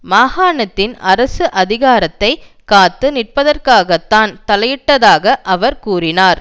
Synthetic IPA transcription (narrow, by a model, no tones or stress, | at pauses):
maːhaːɳɐt̪ːɪnɐɾɐsɯʔɐðɪɣaːɾɐt̪ːɐɪ | kaːt̪ːɯnɪʈ̚pɐðɐrkaːɣɐt̪ːaːnt̪ɐlɐjɪʈːɐðaːɣɐʔɐʋɐɾkuːrɪnaːɾ